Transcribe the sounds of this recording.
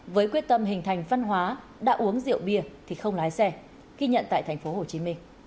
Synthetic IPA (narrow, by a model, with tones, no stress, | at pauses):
vəː˨˦jkwi˦˥ət̚t̪ə˧mɦï˨˩ŋ̟t̪ʰa˨˩jŋ̟va˧nɦwaː˨˦ | ɗa̰ː˧˥ʔu˨˦əŋzḭ˧˨əwɓi˧˩ət̪ʰi˨˩xə˧wŋ͡mlaː˨˦jsɛ˧ | ɣi˧ɲə̰˧˨nt̪a̰ː˧˨jt̪ʰŋ̟fo˨˦ho˨˩t͡ɕi˨˦mï˧ŋ̟